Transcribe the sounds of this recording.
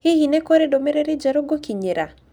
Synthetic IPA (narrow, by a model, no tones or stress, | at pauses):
ɪhinɛkoɾedomeɾeɾed͡ʒaɾoɡokiɲeɾa